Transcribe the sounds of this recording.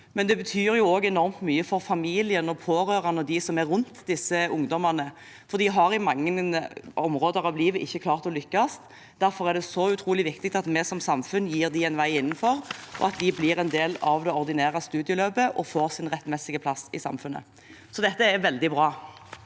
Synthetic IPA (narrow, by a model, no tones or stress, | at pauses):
mɛnd̪ɛbət̪ʰyːɾjʊoːɡɛnɔɾmt̪myːəfɔɾfɑmiːlɪənɔpʰoːɾʁøːʁɑnəd̪ɪsɔmæɾʁʉnt̪d̪ɪsəʊŋd̪ɔmɑʁnə | fɔʁd̪ɪɦɑɾɪmɑŋːənʔɔmʁoːd̪əʁɑʋliːʋəʔɪçːəkʰlɑːʁt̪ɔlʏkːɑst̪ | d̪æɾfɔɾɛd̪ɛsɔʉt̪ʰɾuːlɪʋɪkt̪ɪɡ̚t̪ɑt̪mɛsɔmsɑmfʉnːjiːʁd̪ɪɛnʋæɪɪnːn̩fɔɾʔɔ̰ɑt̪̚d̪ɪblɪːɾɛnd̪eːlɑʋd̪ɛɔʁd̪ɪnæːɾɑst̪ʉːd̪ɪəløːbəʔɔfoːɾsɪnʁɛt̪ːmɛsɪɡəpʰlɑsːɪsɑ̰mfʉnːə̰ | sɔd̪ɛt̪ːəɛɾʋɛld̪ɪbʁɑː